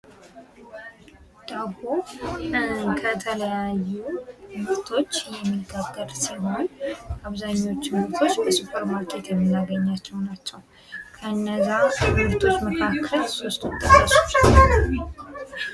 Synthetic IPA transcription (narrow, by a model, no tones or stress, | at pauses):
d̪̥aɡo | kʰət̪ʰələjajːumɨɾt̪ʰo̞t͡ʃːjɛmːiɡaɡːəɾsəβonaβzaɲːo̞t͡ʃːɪmuɾt̪ʰo̞t͡ʃːbəsupʰəɾmaɾkʼɛt̪jɛmːɨnːaɡəɲːat͡ʃːɛwnat͡ʃːɛw | kʰəɨnːəzːamɨɾt̪ʰo̞t͡ʃːməkʰakʰːəlso̞st̪wʊt̪ʼːəkːəso